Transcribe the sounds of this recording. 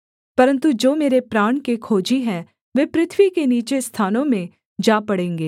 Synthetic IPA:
pɐɾə̃nt̪ud͡ʒoːmeːɾepɾaːɳ̃kekʰoːd͡ʒiɦɛ̃ | ʋeːpɾɪt̪ʰʋikeniːt͡ʃest̪ʰaːnõmẽ | d͡ʒaːpɐɽẽːŋɡeː

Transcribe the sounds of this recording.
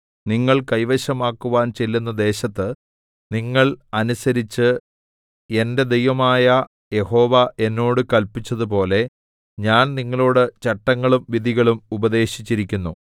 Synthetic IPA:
niŋːɐɭkɐjʋɐɕɐmaːkːuʋaːnt͡ɕe̞lːunːɐd̪e̞ːɕɐt̪ːɨ | niŋːɐɭɐnusɐɾit͡ɕːɨ | e̞nde̞d̪ejʋɐmaːjɐ | je̞ho̞ːʋɐʔe̞nːo̞ːɽɨkɐlpit͡ɕːɐðup̬o̞ːle̞ | ɲaːnniŋːɐɭoːɽet͡ɕeʈːɐŋːɐɭumʋiðiɣɐɭumubɐðe̞ːɕi̥t͡ɕːiɾikʲːunːu

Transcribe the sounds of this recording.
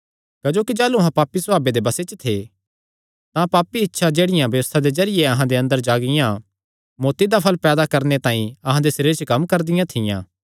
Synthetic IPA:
kɐd͡ʒoːkid͡ʒaːluɐɦãpaːpːisʊaːbed̪ebɐset͡ʃt̪ʰe | t̪ãpaːpːiɪtːʃʰad͡ʒeːɽɪjãbjɐʋəst̪ʰad̪ezɐɾɪjeɐɦãd̪eɐ̃nd̪əɾd͡ʒaːɡɪjã | moːt̪id̪apʰɐlpɛːd̪akɐɾnet̪ãːĩɐɦãd̪esɐɾiːɾet͡ʃəkɐmkɐɾd̪ɪjãt̪ʰɪjã̰ː

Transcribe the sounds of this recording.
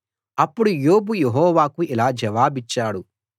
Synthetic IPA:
ɐpːuɽujoːbujeɦɔːʋaːkuilaːd͡ʒɐʋaːbit͡ʃːaːɽu

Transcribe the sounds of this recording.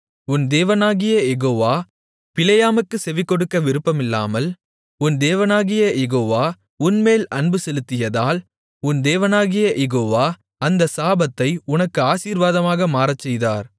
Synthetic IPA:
ʊnd̪eːʋɐnaːɣɪjɐjɛɣoːʋaː | pɪlɐjaːmɯkːɯsɛʋɪkːɔɽɯkːɐʋɪɾɯpːɐmɪlːa̰ːmɐl | ʊnd̪eːʋɐnaːɣɪjɐjʔɛɣoːʋaː | ʊnmeːlʔɐɳbɯsɛlɯt̪ːɪjɐðaːl | ʊnd̪eːʋɐnaːɣɪjɐjɛɣoːʋaː | ɐnd̪ɐsaːbɐt̪ːɐɪʊnɐkːɯaːsiːɾʋaːðɐmaːɣɐmaːɾɐt͡ʃːɛjðaːɾ

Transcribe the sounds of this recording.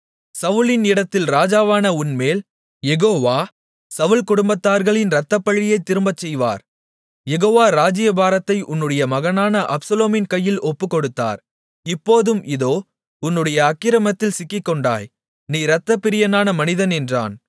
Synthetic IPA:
sɐʋʊlɪnɪɽɐt̪ːɪlɾaːd͡ʒaːʋaːnɐʊnmeːl | jɛɣoːʋaː | sɐʋɯlkʊɽʊmbɐt̪ːaːɾɣɐɭɪnɾɐt̪ːɐpːɐɭːɪjɐɪt̪ːɪɾɯmbɐt͡ʃːɛjʋa̰ːɾ | jɛɣoːʋaːɾaːd͡ʒɪjɐbaːɾɐt̪ːɐɪʔʊnːɯɽɐjɐmɐɣɐnaːnɐʔɐpsɐloːmɪnkɐjːɪlɔpːɯkːɔɽɯt̪ːa̰ːɾ | ɪpːoːðɯmʔɪðoː | ʊnːɯɽɐjɐːkːɪɾɐmɐt̪ːɪlsɪkːɪkːɔɳɖa̰ːj | niːɾɐt̪ːɐpːɪɾɪjɐnaːnɐmɐnɪðɐnɛndra̰ːn

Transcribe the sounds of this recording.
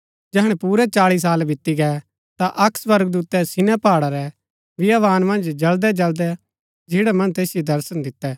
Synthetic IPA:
d͡ʒɛɦəɽ̃ɛpuːɾɛt͡ʃaːɭis̬aːlbɪt̪ːiɡɛ | t̪aʔɐksʋɐɾɡ̚d̪uːt̪ɛsɪnɛpaːɽaɾɛ | ʋɪjaʋaːnmɐ̃nd͡ʒd͡ʒɐld̪ɛd͡ʒɐld̪ɛ | d͡ʒɪːɽɛmɐ̃nt̪eːsɪjod̪ɐɾsənd̪ɪt̪ːɛː

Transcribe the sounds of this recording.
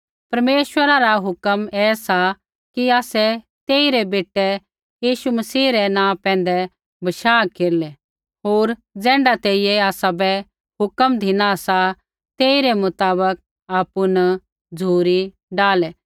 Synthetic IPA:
pɐɾmeːʃwəɾaɾaɦʊkəmɛːsa | kiaːsɛ | t̪eːiɾɛbeːʈːɛ | jiːʃumɐsiːɾɛnãːpɛ̃ːn̆d̪ɛ | bɐʃaːkeːɾlɛ | ɦoːɾd͡zɛ̃ːɳɖat̪eːijɛaːsabɛ | ɦʊkəmd̪ʱɪnasa | t̪eːiɾɛmʊt̪aːbək̚ | aːpʊn | d͡zʱuːɾi | ɖaːlɛ

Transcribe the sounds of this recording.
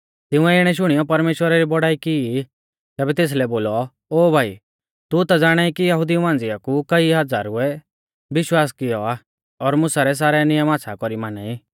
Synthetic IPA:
t̪ɪ̃ũɛɪɽ̃ɛʃ̬ʊɽ̃ijɔpɐɾmeːʃwəɾaɾibɔɽaːikɪi | t̪ɛːbɛt̪eːs̬lɛboːlɔ | oːbʱaːḭ | t̪ut̪ad͡zaːɽ̃aikijɐɦʊd̪iumãːnd͡zɪjakukɐiɦɐd͡za̰ːɾʊɛ | ʋɪʃwaːskɪjɔaː | ɔɾmʊsaɾɛs̬aːɾɛnɪjəmaːtsʰakɔɾimaːnaːi

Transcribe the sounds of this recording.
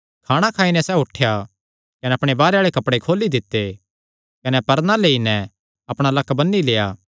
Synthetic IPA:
kʰaːɽ̃akʰaːinɛsɛʊʈʰːeja | kɐnɛɐpɽ̃ebaːɾeaːɭekɐpɽekʰoːlːid̪ɪt̪ːe | kɐnɛpɐɾnaleːinɛ | ɐpɽ̃alɐkːbɐnːileːjaː

